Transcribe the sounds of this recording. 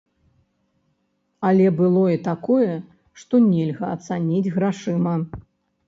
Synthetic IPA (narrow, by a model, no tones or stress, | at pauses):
ɐlʲɛbɨlˠɔit̪akɔjɛ | ʂt̪ɔnʲɛlʲɣɐɐt̪sanʲid͡zʲɣɾaʂɨmɐ